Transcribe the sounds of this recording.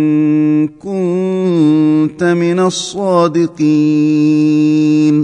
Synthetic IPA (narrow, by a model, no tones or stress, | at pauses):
nkʊn | t̪amɪnasˤːɑːd̪ɪqi | n